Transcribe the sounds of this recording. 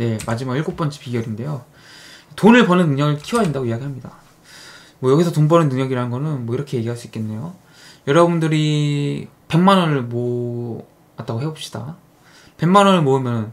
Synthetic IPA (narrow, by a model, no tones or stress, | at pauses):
ne̞mad͡ʑimaɡiɭɡok̚p͈ʌnt͡ɕʰi̥piɡjʌɾinde̞jo | tonɯɭpʌnɯnːɯŋɲʌɡɯɭkʰiwʌaindaɡoijaɡiɦamɲida | mwʌjʌɡisʰʌtonbʌnɯnːɯŋɲʌɡiɾanɯnɡʌnɯnmwʌiɾʌkʰeje̞ɡiɦaɭs͈uik͈e̞nːe̞jo | jʌɾʌbundɯɾi | pe̞ŋmanʌnɯɭmo | at͈aɡoɦeop̚ɕ͈i̥d̥a̰ | pe̞ŋmanʌnɯɭmoɯmjʌnɯn